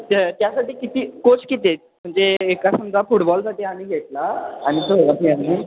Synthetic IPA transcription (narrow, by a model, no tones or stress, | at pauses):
t̪jasaʈiːkit̪iːkot͡skit̪et | m̤əɳd͡zeːkasəmd͡z̪ʱafuʈbɔlsaʈiːamiːɡʱeʈlaːɽ̃it̪əɦoʋat̪iami